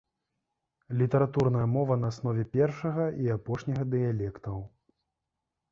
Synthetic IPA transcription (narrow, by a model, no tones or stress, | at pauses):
lʲit̪ɐɾat̪urn̪ɐjɐmɔvɐnɐːsn̪ɔvʲɛpʲɛrʂɐɣɐʔiapɔʂnʲɐɣɐd̪ɨjalʲɛkt̪ɐw